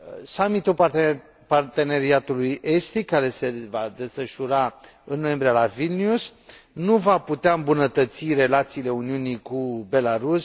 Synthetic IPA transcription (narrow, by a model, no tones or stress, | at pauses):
samit̪ul | part̪e̞ne̞ɾiat̪uluje̞st̪ikkːaɾe̞se̞vad̪e̞sfəʃuɾaɨnːoje̞mbɾialavilniusnuvaput̪eaɨmbunət̪ət̪sire̞lat̪siːle̞uniunikube̞laɾus